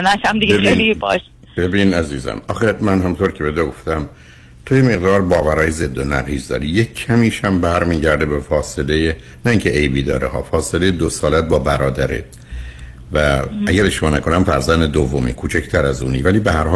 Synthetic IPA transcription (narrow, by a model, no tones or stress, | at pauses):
næʃæmd̪iɡeebenlibɒʃ | bebiːnæziːzæ̰mɒ̰ːxemænhæmunt̪ʰoɾcʰebed̪eɡo̞ft̪æm | t̪ʰojemeɣd̪ɒːɾbɒːvæɾɒːjezed̪ːonæ̰ɣiːzd̪ɒ̰ːɾijecʰːæmiːʃæmbæɾmiːɟæɾd̪ebefɒːse̞leje | næiːŋcʲʰeʔejbiːd̪ɒ̰ːɾehɒ̰ːfɒːselejed̪osɒːlæt̪̚bɒːbæɾɒːd̪æɾḛt̪̚ | vææɟæɾeʃmɒːnæko̞næmfæɾzænd̪ed̪ovːomḭkʰuːt͡ʃʰecʰt̪ʰæɾæzṵːnḭːvæliːbehæɾhɒː